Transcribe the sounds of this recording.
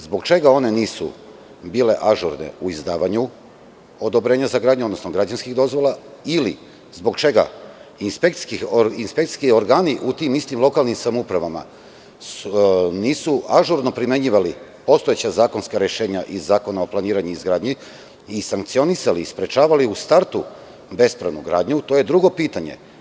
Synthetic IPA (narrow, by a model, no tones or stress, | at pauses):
zbo̞ɡt͡ʃe̞ɡao̞ne̞niːsṵ | biːle̞ʔaʒuɾnḛuizd̪aːʋaɲu | o̞d̪o̞bɾeːɲazaɡɾaːd̪ɲuod̪no̞snoɡɾad͡ʑanskiɣd̪o̞zʋo̞lˠaili | zbo̞ɡt͡ʃe̞ɡa̰inspek̪i̥kioinspe̞kt̪i̥sʲkio̞ɾɡaːniʔut̪imist̪imlˠo̞kalnimsamupɾaʋama̰ | niːsuaʒuɾno̞pɾime̞ɲiːʋalipo̞st̪oet͡ɕazaːko̞nskaɾjeʃe̞ːɲaʔizːaːko̞naoplˠaniːɾaɲuizɡɾaːd̪ɲi | isaŋk̚t̪sio̞nisaliːspɾe̞t͡ʃaːʋaliust̪aɾt̪u | be̞spɾaʋnuɡɾa̰ːd̪ɲut̪o̞je̞d̪ɾuɡo̞piːt̪aɲe̞̰